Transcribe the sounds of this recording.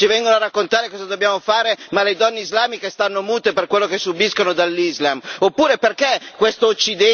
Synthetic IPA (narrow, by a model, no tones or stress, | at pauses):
t͡ʃivɛŋɡonoarːakːont̪aːɾekɔːzad̪objaːmofaːɾemaled̪ɔnːeizlaːmikest̪anːomuːt̪eperkwelːokesːubiskonod̪alːizlamopːuːɾeperkekːwest̪out͡ʃːid̪ɛ